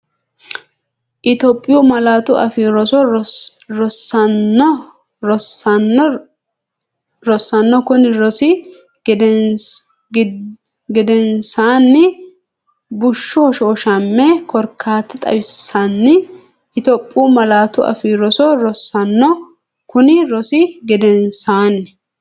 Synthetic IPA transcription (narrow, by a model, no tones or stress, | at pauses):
ʔɪt̪ɔpʼːɪjɔmɐlaːt̪ʊɐ̰fiːɾɔsɔ | ɾɔsːɐnːɔ | ɾɔsnːɔ | ɾɔsːɐnːɔkʊnɪɾɔsɪ | ɡɛd̪ɛnsaːnːɪ | bʊʃːɔɔʃoːʃɐmːɛkɔɾkʰːaːt̪ːɐt̪ʼɐ̰bɪsːɐnːɪ | ʔɪt̪ɔpʼːuːmɐlaːt̪ʊʔɐ̰fiːɾɔsɔɾɔsɐnːɔ | kʊnɪɾɔsɪɡɛd̪ɛnsaːnːɪ